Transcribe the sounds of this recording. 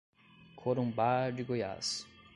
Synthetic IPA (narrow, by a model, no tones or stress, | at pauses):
kʰoɾũmbaɾd͡ʒiɡoja̰s